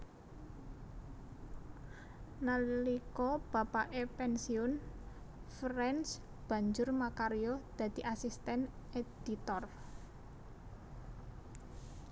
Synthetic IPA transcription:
nallikɔb̥a̤paʔepɛnsiʊn | fɾɛns | b̥ä̤ɲd͡ʒʊrmakaɾijod̪̥ä̤d̪̥i̤ʔasist̪ɛned̪̥it̪ɔr

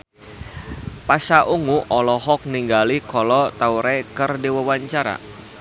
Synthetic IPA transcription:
pasaʔuŋuʔɔlɔɦɔk̚niŋɡalikɔlɔt̪auɾekərdiwəwaɲt͡ʃaɾa̰

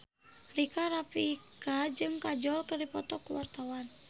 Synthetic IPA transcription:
rikaɾapikad͡ʒɨŋkad͡ʒɔlkərdipɔt̪ɔkuwart̪awan

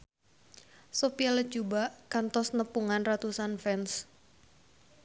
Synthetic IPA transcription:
sopialə̥t͡ʃubaʔkant̪ɔsnəpuŋanrat̪usanfɛns

